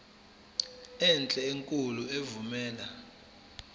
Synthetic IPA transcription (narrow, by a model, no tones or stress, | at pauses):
ɛnt͡ɬʼɛeŋkʼuluevumɛːla